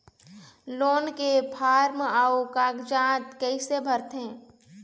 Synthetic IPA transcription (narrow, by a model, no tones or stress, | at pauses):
loːnkepʰaːɾmaːokaːkd͡ʒãːt̪kəisebʱəɾt̪ɦɛ̃ː